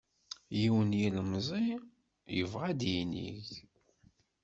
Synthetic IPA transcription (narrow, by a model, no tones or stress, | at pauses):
jiwənjiləmzˤi | jəvʁæd̪jinḭʝ